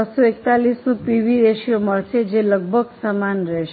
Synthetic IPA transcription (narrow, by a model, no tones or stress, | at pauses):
əsoekt̪alisnũpiʋiɾeʃijoməɭt͡ʃʰed͡ʒeləɡ̚bʱəɡsamanɾɛʃe